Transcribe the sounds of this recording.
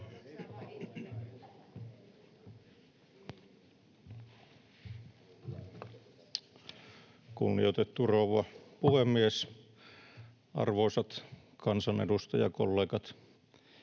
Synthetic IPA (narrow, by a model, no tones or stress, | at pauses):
kṵnːḭjot̪et̪ːuroʋɑpuhemːies | ɑ̰rʋoisɑt̪ | kʰɑnsɑnḛdust̪ɑjɑ̰kolːeːkɑt̪